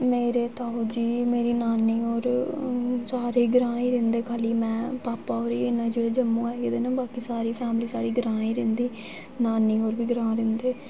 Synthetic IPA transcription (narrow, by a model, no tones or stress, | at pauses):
meːɾeːt̪aːod͡ʒiːmeːɾiːnaːniːoːɾ | saːɾeːɡɾãːiːɾẽːnd̪eːkʰaːliːmɛ̃ːpaːpaːoːɾiːɪnãːd͡ʒeːɽeːd͡ʒəmũːaːɡed̪eːnaːbaːkiːsaːɾiːpʰɛːmliːsaːɽiːɡəɾãːiːɾẽːnd̪iː | naːniːoːɾbiːɡəɾãːɾẽːnd̪eː